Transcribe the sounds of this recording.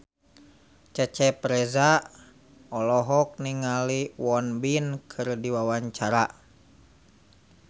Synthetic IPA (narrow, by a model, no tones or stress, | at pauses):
t͡ʃɛt͡ʃɛpɾɛza | ɔlɔɦɔk̚niŋaliwɔnbinkʰɨrdiwawaɲt͡ʃaɾa